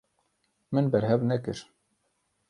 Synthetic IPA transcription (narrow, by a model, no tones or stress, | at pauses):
mɨnbɛɾɦɛvnɛkɨɾ